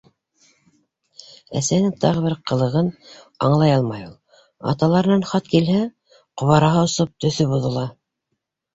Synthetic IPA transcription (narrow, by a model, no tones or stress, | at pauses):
æ̰sænɘt̪ʰɑʁɤ̆βɘɾqɤ̆lˠɤ̆ʁɤn | ɑ̰ɴlˠɑjɑlˠmɑjulˠ | ɑ̰t̪ɑlˠɑɾɤ̆nɑnχɑt̪kilhæ | qŏβɑɾɑɦɑŏsɤp̚t̪ɵ̆θɵβuðŏlˠɑ